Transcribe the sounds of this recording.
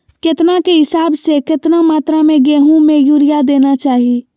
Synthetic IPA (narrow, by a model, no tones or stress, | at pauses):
kɪt̪nakeɦɪsaːbsekɪt̪namaːt̪ɾamẽɡeːɦũmẽjuɾijad̪eːnat͡ʃaːɦi